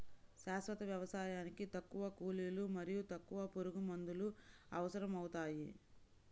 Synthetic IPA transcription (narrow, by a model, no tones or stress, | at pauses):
ʃaːsʋɐt̪ɐʋjɐʋɐsaːjaːnikit̪ɐkːuʋɐkuːliːlumɐɾijut̪ɐkːuʋɐpoɾuɡumɐnd̪uluɐʋɐsɐɾɐmɐwut̪aːji